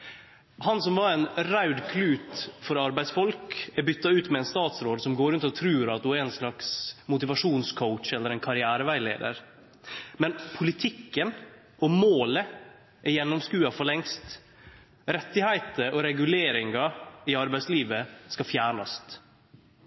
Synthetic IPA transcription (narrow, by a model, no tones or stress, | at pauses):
hɑnsɔmʋɑɾɛnɾaʉd̪kʰlʉːt̪fɔɾɑɾbæɪd̪sfɔlkæɾbʏt̪ːɑʉːt̪mɛɛnst̪ɑːt̪sɾoːd̪sɔmɡoːɾʉnt̪ɔt̪ʰɾʉːɾɑt̪̚d̪ʊɛnslɑksmʊt̪ɪʋɑʂuːnskʰɔʊtt͡ʃɛlːəɾɛnkʰɑɾɪæːɾəʋæɪlḛːd̪ə̰ɾ | mɛnpʰʊlɪt̪ʰɪkːən | ɔmoːlə | ʔɛɾjɛnːɔmskʉːɑfɔɭɛŋst̪ | ɾɛt̪ːɪhæɪt̪əɔɾɛɡʉleːɾɪŋɡɑɪɑɾbæɪsliːʋəskɑfjæːɳɑst̪